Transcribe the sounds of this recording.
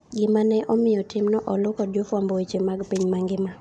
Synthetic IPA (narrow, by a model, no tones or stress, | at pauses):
ɡɪmanɛʔɔmɪjɔtɪmnɔʔɔlʊkɔdjofwambɔwet͡ʃemaɡpiɲmaŋɡɪma